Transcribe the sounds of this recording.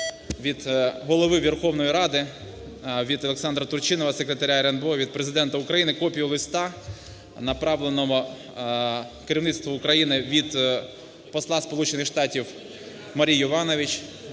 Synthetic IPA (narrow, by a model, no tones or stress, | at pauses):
ʋʲid̪ɦɔlˠɔʋɪʋʲerxɔwnɔjiɾɑd̪ɪ | ʋʲid̪ɔlˠeksɑnd̪ɾɐt̪ʊrt͡ʃɪnɔʋɐsekɾʲet̪ɐɾʲaɾenbɔʋʲid̪̚pɾezɪd̪ɛnt̪ɐʊkɾɐjinɪkɔpʲijʊlˠɪst̪ɑ | nɐpɾɑʋlˠenɔɦɔ | keɾʲiʋnɪt̪st̪ʋɐʊkɾɐjinɪʋʲid̪ | pɔslˠɑspɔlˠut͡ʃenɪxʃt̪ɑtʲiw | mɐɾʲijɔʋɑnɔʋʲɪt͡ʃʲ